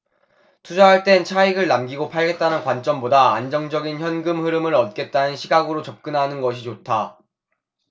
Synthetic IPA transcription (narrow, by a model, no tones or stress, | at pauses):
tʰud͡ʑaɦaɭt͈e̞nt͡ɕʰaiɡɯɭnamɡiɡopʰaɭɡe̞t̚t͈anɯnkwant͡ɕ͈ʌmbodaːnd͡ʑʌŋd͡ʑʌɡinçjʌnɡɯmɸɯɾɯmɯɾʌt̚k͈e̞t̚t͈anɯnɕʰiɡaɡɯɾot͡ɕʌp̚k͈ɯnɦanɯnɡʌɕ̬ʰit͡ɕotʰa